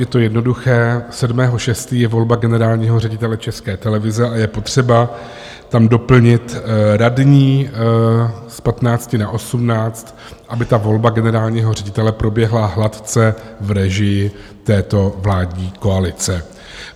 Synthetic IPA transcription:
jɛt̪o̞jɛdno̞duxɛːsɛdmɛːɦo̞ʃɛst̪iːjɛvo̞lbaɡɛnɛɾaːlɲiːɦo̞rɛɟɪt̪ɛlɛt͡ʃɛskɛːt̪ɛlɛvɪzɛʔajɛpo̞t̪r̝̥ɛba | t̪amdo̞pl̩ɲɪt̪ɾadɲiː | spat̪naːt͡scɪnaʔo̞sumnaːt͡st̪ | ʔabɪt̪avo̞lbaɡɛnɛɾaːlɲiːɦo̞r̝ɛɟɪt̪ɛlɛpɾo̞bjɛɦlaɦlat̪t͡sɛvɾɛʒɪjɪ | t̪ɛːt̪o̞vlaːdɲiːko̞alɪt͡sɛ

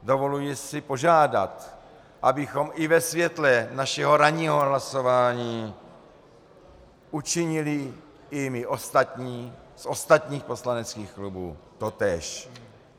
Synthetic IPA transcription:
dovo̞lujɪsɪpo̞ʒaːda̰t̪ | ʔabɪxo̞mɪvɛsvjɛt̪lɛnaʃɛɦo̞ɾaɲiːɦoɦlaso̞vaːɲiː | ʔut͡ʃɪɲɪlɪ | ɪmɪʔost̪at̪ɲiː | so̞st̪at̪ɲiːxpo̞slanɛt͡skiːxklubṵːt̪ot̪ɛːʃ

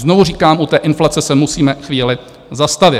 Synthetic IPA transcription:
znovuriːkaːmʔut̪ɛːʔɪnflat͡sɛsɛmusiːmɛxviːlɪ | zast̪avɪ

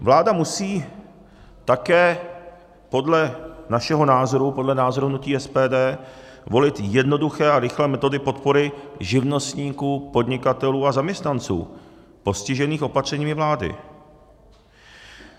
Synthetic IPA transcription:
vlaːdamusiː | t̪akɛː | po̞dlɛnaʃɛɦo̞naːzo̞ɾupo̞dlɛnaːzoɾuɦnuciːɛspɛːdɛː | vo̞lɪt̪jɛdno̞duxɛːaɾɪxlɛːmɛt̪o̞dɪpo̞t̪po̞ɾɪʒɪvno̞st̪ɲiːkuːpo̞dɲɪkat̪ɛluːazamɲɛst̪nant͡sṵː | po̞scɪʒɛniːxʔo̞pat̪r̝̥ɛɲiːmɪvlaːdɪ̰

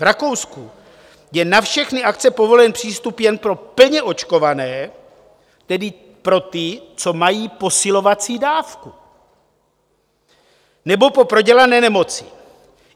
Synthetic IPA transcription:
vɾako̞wsku | jɛnafʃɛxnɪʔakt͡sɛpo̞vo̞lɛnpr̥iːst̪upjɛnpɾo̞pl̩ɲɛʔo̞t͡ʃko̞vanɛː | t̪ɛdɪ | pɾo̞t̪ɪt͡so̞majiːpo̞sɪlo̞vat͡siːdaːfku | nɛbo̞po̞pɾo̞ɟɛlanɛːnɛmo̞t͡sɪ

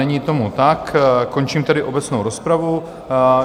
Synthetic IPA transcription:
ɛɲiːt̪o̞mut̪akkːo̞nt͡ʃiːmt̪ɛdɪʔo̞bɛt͡snowɾo̞spɾavu

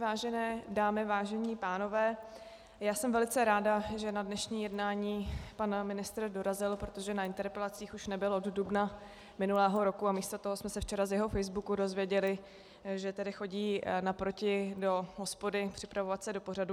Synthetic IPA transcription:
vaːʒɛnɛːdaːmɪvaːʒɛɲiːpaːno̞vɛː | jaːsɛmvɛlɪt͡sɛɾaːdaʒɛnadnɛʃɲiːjɛdnaːɲiːpanmɪnɪst̪r̩do̞ɾazɪlpɾot̪o̞ʒɛnaʔɪnt̪ɛɾpɛlat͡siːxuʃnɛbɪlʔoddubna | mɪnulɛːɦo̞ɾo̞kuamiːst̪ot̪oɦo̞smɛsɛft͡ʃɛɾazjɛɦo̞fɛjzbukudo̞zvjɛɟɛlɪ | ʒɛt̪ɛdɪxo̞ɟiːnapɾo̞cɪdo̞ɦospo̞dɪpr̥ɪpɾavo̞vat̪sɛdo̞po̞radu

